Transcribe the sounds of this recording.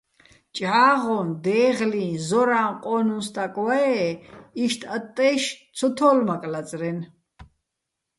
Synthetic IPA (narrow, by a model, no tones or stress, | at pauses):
t͡ʃʼʕaːʁɔnd̪ɛːʁlĩnzɔɾaːmqʼɔnunst̪akʼwaɛiʃt̪ʰʼat̪ʼːɛːʃt̪t͡sʰɔt̪ʰɔːlmakʼlat͡sʼɾɛn